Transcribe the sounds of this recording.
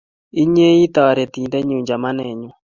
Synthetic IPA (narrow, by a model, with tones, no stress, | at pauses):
i˦ɲe˦i˦t̪ɔ˨ɾɛ˨t̪i˨nde˦ɲu˨ɲd͡ʒa˨ma˦nɛ˨ɲɔ˨